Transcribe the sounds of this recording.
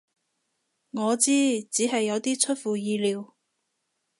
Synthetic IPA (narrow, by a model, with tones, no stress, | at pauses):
ŋɔː˨˧t͡siː˥t͡siː˨˥ɦɐ˨jːɐ˨˧wt̪iː˥t͡sʰɵ˥t̚fuː˨jiː˨˧liː˨˧w